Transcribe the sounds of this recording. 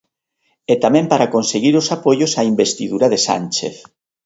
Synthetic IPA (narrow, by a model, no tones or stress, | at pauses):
et̪amɛ̃mpaɾakonseɣiɾosapojosaimbest̪iðuɾaðesa̰nt͡ʃḛθ